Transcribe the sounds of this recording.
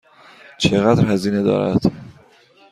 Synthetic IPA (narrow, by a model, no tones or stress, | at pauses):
t͡ʃʰeɣæd̪ɾhæziːne̞d̪ɒ̰ːɾæ̰d̪̥